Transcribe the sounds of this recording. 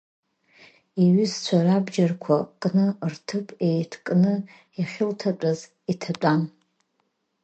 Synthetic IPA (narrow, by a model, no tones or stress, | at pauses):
iɥʏzt͡ɕʷʰarabd͡ʒarkʷʰakʼnɨrtʰɨpʼejtʰkʼnɨ | aχʲɪltʰat͡pʼaz | itʰat͡pʷʼan